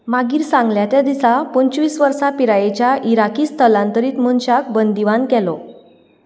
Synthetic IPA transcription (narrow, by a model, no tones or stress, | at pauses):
maɡiːɾsãŋɡljat̪jad̪isapəɲt͡ɕʋiːsʋəɾsapiɾajet͡ɕjaʔiɾakiːst̪ʰəlãnt̪əɾiːt̪m̤unɕak̚bənd̪iʋankɛlɔ